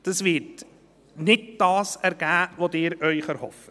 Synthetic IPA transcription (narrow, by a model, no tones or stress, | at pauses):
d̥ɑsvɪɾt | nɪd̚d̥ɑːsɛɾɡ̥æːvodɪːɾœʏχæɾhɔfə